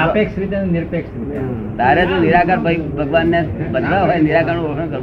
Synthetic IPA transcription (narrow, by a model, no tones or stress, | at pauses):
əpekʃɾit̪enniɾpekʃɾit̪e | t̪aɾet̪õniɾakʰəɾbʱəbʱəɡʋanːebəd̪laɦojniɾakəɾnuɡoʃəɳkəɾ